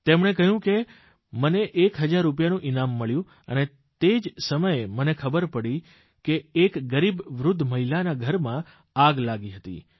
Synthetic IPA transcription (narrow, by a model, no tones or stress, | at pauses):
t̪emɳ̃ekəɦjũke | məneʔekɦəd͡ʒaɾːup̬janũʔinamːəɭjũ | əne | t̪ed͡ʒsəməjemənekʰəbəɾpəɽi | keːkɡəɾibʋɾʊd̪ʱːməɦilanaɡʱəɾmã | aɡlaɡiɦət̪ḭ